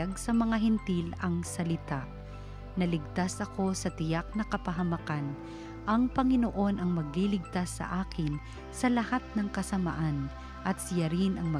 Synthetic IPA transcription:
aɡ̚sɐmɐŋaɦɛnt̪ilɐŋsɐlɪt̪aʔ | nɐlɪɡ̚t̪asɐko̞sɐt̪ɪjak̚nɐkɐpɐɦɐmɐkan | ʔɐŋpɐŋɪnoʔo̞nʔɐŋmɐɡ̚lilɪɡ̚t̪asːɐ̰ʔaːkɪn | sɐlɐhat̪̚nɐŋkɐsɐma̰ʔan | ʔɐt̪̚sɪjaɾɪnʔɐŋmɐ

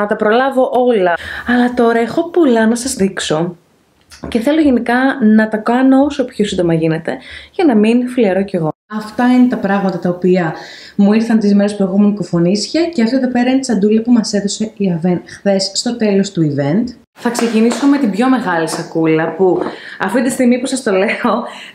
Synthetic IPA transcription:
nɐt̪ɐpɾo̞lɐvo̞ʔo̞lɐɐlɐt̪o̞ɾɐexo̞polɐnɐsɐzðikso̞ | ce̞θe̞lo̞ʝe̞nikɐnɐt̪ɐkɐnoo̞so̞pçosind̪o̞mɐʝine̞t̪e̞ʝɐnɐminfiliɐɾoce̞ɣo̞ɐft̪ɐine̞t̪ɐpɾɐɣmɐt̪ɐt̪ɐopiɐ | muiɾθɐnt̪izmeɾespɾɣomuniko̞fo̞nisçɐceɐft̪oeðo̞pe̞ɾɐineisɐnd̪ulɐpumɐse̞ðo̞se̞iɐvenxθe̞sːt̪o̞t̪e̞lo̞st̪uivent̪ | θɐksecinisome̞t̪ibʝo̞me̞ɣɐlisɐkulɐpuɐft̪iit̪ist̪iɣmipusɐst̪o̞le̞o̞

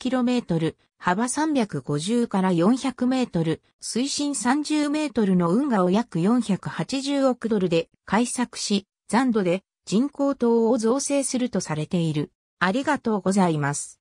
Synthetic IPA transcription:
kʲiɾo̞me̞ːt̪o̞ɾɯ̟ | habasãmbʲakɯ̟ɡo̞ʑɨːkaɾajõ̞ɰ̃çakɯ̟me̞ːt̪o̞ɾɯ̟ | sɨiɕĩɰ̃sãɲ̟d͡ʑɨːme̞ːt̪o̞ɾɯ̟no̞ɯ̟̃ŋɡao̞jakɯ̟jõ̞ɰ̃çakɯ̟hat͡ɕiʑɨːo̞kɯ̟d̪o̞ɾɯ̟d̪e̞ | kʰaisakɯ̟̥ɕi | z̥ãnd̪o̞d̪e̞ | d͡ʑĩŋko̞ːt̪o̞ːozo̞ːse̞ːsɨɾɯ̟t̪o̞saɾe̞t̪e̞iɾɯ̟ | aɾʲiɡat̪o̞ːɡo̞zaimasɨ̥

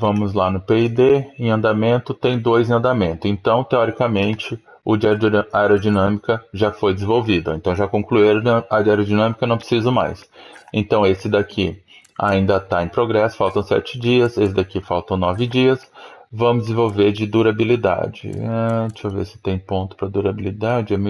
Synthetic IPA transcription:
vɐ̃mʊzlanʊpeid̪eẽɐ̃nd̪amẽnt̪ʊt̪ẽj̃d̪ojzẽɐ̃nd̪amẽnt̪ʊẽnt̪ɐ̃w̃t̪eɔɾikɐmẽnt͡ʃɪ | ʊd͡ʒiaɾɛɾod͡ʒinɐ̃mikɐʒafojd̪ɪzẽvowvid̪ʊo̰ẽnt̪ɐ̃w̃ʒakõkluiɾad͡ʒaɾod͡ʒinɐ̃mikɐnɐ̃w̃pɾɪ̥sizʊ̃ma̰jsẽnt̪ɐ̃w̃esɪd̪akʰi | a̰ĩnd̪ɐt̪aẽj̃pɾoɡɾɛsʊ̥fawt̪ɐ̃w̃sɛ̰t͡ʃɪd͡ʒiɐsesɪzd̪akifawt̪ɐ̃w̃nɔvɪd͡ʒiɐsvɐ̃mʊzd̪zẽvowveɾd͡ʒɪd̪uɾabilid̪a̰d͡ʒɪ̰at͡ʃɐvḛsɪ̥t̪ẽj̃põnt̪ʊ̥pɾɐd̪uɾabilid̪ad͡ʒɪɛm

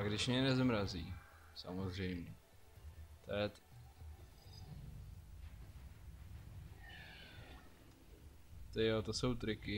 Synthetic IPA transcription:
aɡdɪʃmɲɛnɛzmɾazḭː | sa̰mozrɛjmɲɛ | t̪ojɛt̪ | t̪ɪjot̪oso̞wt̪ɾɪkɪ

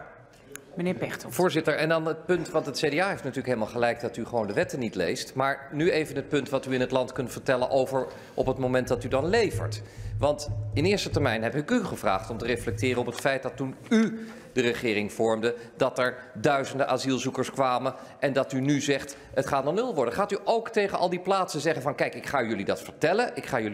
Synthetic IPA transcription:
mənɪːɹpɛtvʊːɹzɪtəɹɛndɑnət̚pɵntʋɑntɦətsejdeaːɦejftnatyːɹləkɦeɪləmalˠχəlɛjk̚dɑtyχəʋowndəʋɛtənitlḛjstmaːɹnyejvənɦət̚pɵntʋɑtyɪnɦətlɑntkɵntfəɹtɛlənʔowvəɹ | ʔɔpətmowmɛntdɑtydɑnlejvə̰ɹtʋɑntɪnɪːɹstətɛɹmɛjnɦɛpɪkyχəvra̰ːχtɔmtəreflɛk̚tɪːrəɔpətfɛjt̚dɑtːuny | dərəχɪːrɪŋv̥ɔɹmdədɑtɛɹ | dœɥzəndəʔaːzilˠzukəɹskʋaːmən | ʔɛndɑtynyzɛχt | ətχaːtnɔnɵlˠʋɔɹdəχaːtyʔowktejχənʔɑ̰lˠdiplaːtsənzɛχənvɑnkɛjkɪkχaːjɵlidɑtfəɹtɛləʔɪkχaːjɵl

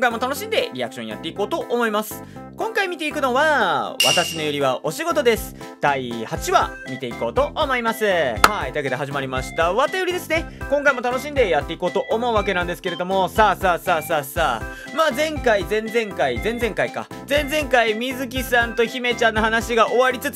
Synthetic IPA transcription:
oŋkaimo̞t̪ano̞ɕĩnd̪e̞ɾʲia̰kɯ̟ɕõ̞ja̰t̪ːe̞iko̞ːt̪o̞ʔːmo̞imasɨ̥ | kõ̞ŋkaimʲit̪e̞ikɯ̟no̞βaβa̰t̪aɕino̞joɾʲiβao̞ɕiɡo̞t̪o̞d̪e̞sɨ̥ | d̪̥aihat͡ɕiβa̰mʲit̪e̞iko̞ːt̪o̞ʔːmo̞imasɨhait̪aked̪e̞ɦaʑimaɾʲimaɕi̥t̪aβat̪ajoɾʲid̪e̞sɨne̞kõ̞ŋkaimo̞t̪ano̞ɕĩnd̪e̞jat̪ːe̞iko̞ːt̪o̞ʔomo̞ɯ̟βakenãnd̪e̞sɨ̥ke̞ɾe̞d̪o̞mo̞saːsaːsaːsaːsaː | maːzẽ̞ŋkaizẽ̞nzẽ̞ŋkaizẽ̞nd͡zẽ̞ŋkaika̰ | zẽ̞nzẽ̞ŋkaimʲizɨk̬ʲisãnt̪o̞çime̞t͡ɕãnːohanaɕiɡaʔo̞βaɾʲit͡sɨt͡s

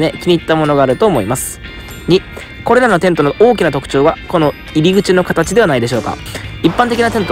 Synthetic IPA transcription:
ne̞kʲiɲ̟ʲit̪ːamo̞no̞ɡaːɾɯ̟t̪o̞ːmo̞imasɨ̥ | ɲ̟i | ko̞ɾe̞ɾano̞t̪ent̪o̞noʔo̞ːk̬ʲinat̪o̞kɯ̟̥t͡ɕo̞ːɡako̞no̞ | iɾʲiɡɯ̟t͡ɕino̞kat̪at͡ɕid̪e̞βanaid̪e̞ɕo̞ːka̰ipːãnt̪ekʲinat̪ẽ̞nt̪o

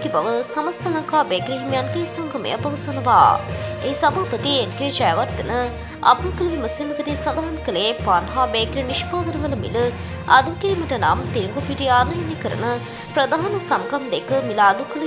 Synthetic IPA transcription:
kibɐʋəsɐmɐst̪ʰɐlɐŋkaːbeːkɾiɦimjankɐjsɐŋɡʱɐmɐ̰jɐpɐʋɐsɐnɐʋa̰ːeːsɐbʱaːpɐt̪iend͡ʒeːd͡ʒɐjɐʋɐɾɡɐnɨ | ɐ̰bɐkɐluʋiməsimɐkɐɾisɐd̪aɦɐnɐkɐleːpaːnɦaːbeːkɾiniʃpaːd̪ɐɾɐʋɐlɐmḭlɨ | ɐ̰d̪ukiɾimɐʈɐna̰ːmt̪iɾŋɡopiʈiaːnɐjɐnikəɾɐ̰nɨ | pɾɐd̪aɦɐnɐsɐmkɐmd̪ekɨmilaːd̪ukɐl

